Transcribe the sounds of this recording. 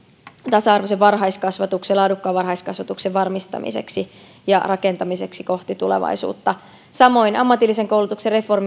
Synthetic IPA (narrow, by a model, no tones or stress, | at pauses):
t̪ɑsɑɑrʋoseʋʋɑrɦɑiskɑsʋɑt̪ukselɑːdukːɑʋɑrɦɑiskɑsʋɑt̪ukseʋʋɑrmist̪ɑ̰mḭsḛksi | jɑ̰rʔɑke̞nt̪ɑmise̞ksiko̞ht̪it̪ule̞̰ʋɑ̰jsṵːt̪ːɑ | sɑmo̞inɑmːɑt̪ilːise̞ŋkowlut̪ukserre̞fo̞rm